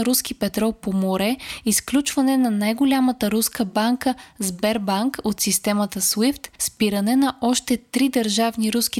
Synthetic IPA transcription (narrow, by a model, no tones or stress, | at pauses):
ɾusk̟ipɛt̪ɾɔlˠpomoɾɛisklʲut͡ʃvɐnɛnɐnajɡolʲamət̪əɾuskəbaŋkəzbɛɾbaŋkot̪sist̪ɛmət̪əswift̪spiɾɐnɛnɐʔɔʃt̪ɛt̪ɾid̪əɾʒavniɾusk̟i